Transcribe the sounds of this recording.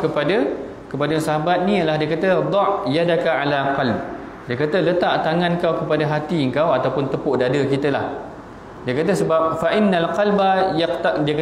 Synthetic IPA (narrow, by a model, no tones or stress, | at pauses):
kəpada | kəpadasaɦabat̪̚nĩjalahdiakat̪əd̪ˤɑʔjadakaalaqɑlb̚ | diəkat̪ələt̪aʔt̪aŋãnkawkəpadaɦat̪iəŋkawat̪awpʊnt̪əpʊʔdadəkit̪əla̰h | diəkat̪̬əsəbap̚faʔɪnːalqalbajaqt̪adiaka